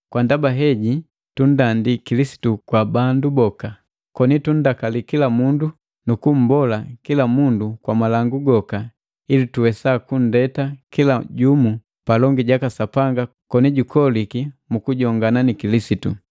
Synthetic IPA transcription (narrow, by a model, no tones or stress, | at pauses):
kwandabaɦɛɟi | tun̩dandikilisi̥tukwabandubɔka | kɔnitun̩dakalikilamundu | nukum̩bɔlakilamundukwamalaŋɡuɡɔka | ilituwɛsakun̩dɛtakilaɟumu | palɔŋɡiɟakasapaŋɡa | kɔniɟukʰɔlikimukuɟɔŋɡananikilisitu